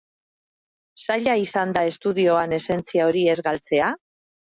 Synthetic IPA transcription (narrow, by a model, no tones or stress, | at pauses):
saʎaisand̪ae̞st̪uðio̞ane̞se̞nt͡siao̞ɾie̞zɣalt͡se̞a